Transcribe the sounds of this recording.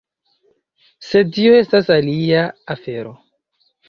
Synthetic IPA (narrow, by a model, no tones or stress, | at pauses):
se̞tio̞e̞stasaliaːfe̞ɾo̞